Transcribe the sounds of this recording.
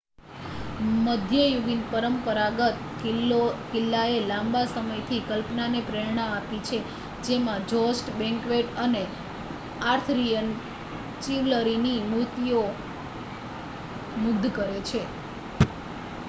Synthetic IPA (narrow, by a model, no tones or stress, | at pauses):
məd̪ʱjəjuɡinpəɾəmpəɾaɡət̪ | kikɪlːaelãmbasəməjt̪ʰikəlpnanepɾeɾɳaapit͡ʃʰe | d͡ʒemãd͡ʒɔsʈbɛ̃ŋkʋeʈəne | aɾt̪ʰɾijən | t͡ʃiʋləɾinimut̪io | mʊɡd̪kəɾet͡ʃʰe